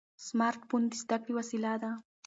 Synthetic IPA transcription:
smaɾt̪pund̪isd̪akɾiwasilad̪a

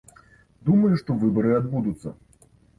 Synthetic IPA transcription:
d̪umɐjuʂt̪ɔvɨbɐɾɨad̪bud̪ut̪sːɐ̰

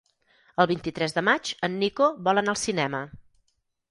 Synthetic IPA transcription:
əlˠβint̪it̪ɾɛzðəmat͡ʃənːikoβɔlənaəlˠsinɛmə

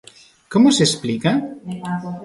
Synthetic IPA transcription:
komʊsesplika

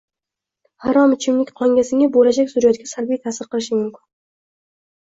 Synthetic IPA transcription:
haɾɒmɪt͡ʃʰɪmlɪkʲqʰɒŋɡʲasɪŋabolad͡ʒakʲsʊɾajɒt̪̚kʲasalbijt̪ʰasɪɾqɨlˠɪʃɪmʊmkʲɪn

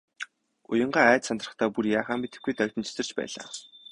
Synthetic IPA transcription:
ʊ̰jə̆ɴɢaːæːt͡ɕ̪sant̪rə̆χt̪ʰaːpurjaːχaːmit̪ɘ̆ɡujt̪œwkt̪ɘ̆nt͡ɕʰɵ̥sɘ̆rt͡ɕpæ̰ːɮa̰ː

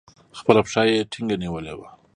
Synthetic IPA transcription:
xpəlapʂɑjeʈʰiŋɡaniwəlḛwa

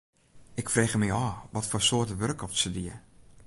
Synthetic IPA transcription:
ʔɪkfreːxəmijɔːʋɔtfoːsoətəʋørkɔfsədiə

